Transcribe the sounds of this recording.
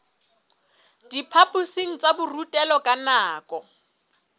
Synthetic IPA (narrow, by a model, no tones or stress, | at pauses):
dipʰapʼusiŋ̩t͡sʼabʊrutʼɛlɔkʼanaːkʼɔ